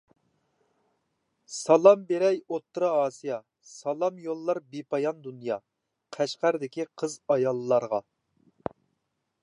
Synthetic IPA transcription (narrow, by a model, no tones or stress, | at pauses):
sɑlˠɑmbeɾɛjot̪ːɾɑɑːsijɑ | sɑlˠɑmjolˠːɑɾbipɑjɑnd̪unjɑ | qʰæʃqæɾd̪ɪkʲiqʰəzɑjɑlˠːɑɾʁɑ